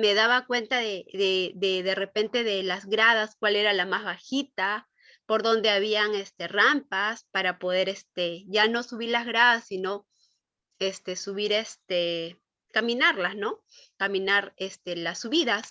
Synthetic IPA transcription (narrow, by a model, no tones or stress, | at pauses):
me̞ðaβakwe̞nt̪aðeðedeðe̞re̞pe̞nt̪e̞ðe̞lazɣɾað̞askwale̞ɾalamazβaxit̪a | po̞ɾðo̞nd̪e̞aβiaŋest̪e̞rampaspaɾapo̞ð̞e̞ɾest̪eʝano̞suβiɾlazɣɾaðasːino̞ | e̞st̪e̞suβiɾest̪e | kamĩnaɾlazno̞ | kamĩnaɾest̪e̞lasːuβiðas